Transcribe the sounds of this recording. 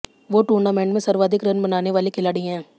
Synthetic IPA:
ʋoːʈuːɾnaːmɛ̃ːɳʈmẽsɐɾʋaːd̪ʱɪkɾɐnbɐnaːneʋaːlekʰɪlaːɽiɦɛ̃ː

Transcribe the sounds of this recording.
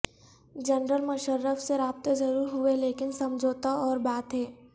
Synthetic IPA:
d͡ʒɐnɾəlmɐʃəɾːəfseɾaːb̚t̪ezɐɾuːɾɦʊeleːkɪnsɐ̃md͡ʒʱoːt̪aɔːɾbaːt̪ɦɛː

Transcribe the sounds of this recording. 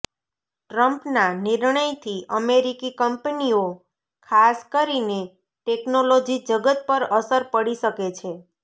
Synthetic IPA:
ʈɾəmpnaniɾɳəjt̪ʰiʔəmeɾikikəmpənio | kʰaskəɾine | ʈeknolod͡ʒid͡ʒəɡət̪̚pəɾəsəɾpəɽiʃəket͡ʃʰe

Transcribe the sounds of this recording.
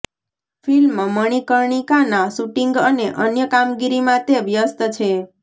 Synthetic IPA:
filmməɳ̃ikəɾɳikanasuʈiŋɡəneʔənjəkamɡiɾimãt̪eʋjəst̪ət͡ʃʰe

